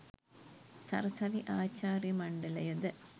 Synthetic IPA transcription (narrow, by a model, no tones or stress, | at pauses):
sɐ̰rɐsɐʋiʔaːt͡ɕːaːrjɐmɐɳɖɐlɐjɐd̪ɨ